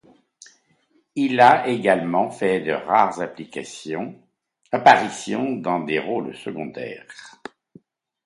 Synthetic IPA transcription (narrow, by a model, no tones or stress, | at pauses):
ilaʔeɡalmɑ̃fɛd̪ə̰ʁaʁzaplikasjɔ̃ | apaʁisjɔ̃d̪ɑ̃d̪eʁolsəɡɔ̃d̪ɛ̰ʁ